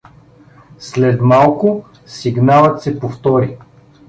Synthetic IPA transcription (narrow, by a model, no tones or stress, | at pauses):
slɛt̪malˠkʊ | siɡnalˠət̪sɛpoft̪ɔɾi